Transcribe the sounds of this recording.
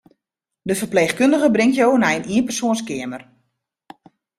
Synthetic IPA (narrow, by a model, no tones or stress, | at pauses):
dəfərpleːxkøndəɣəbrɪŋtjoːnɛjəniənpərsoənskɪəmər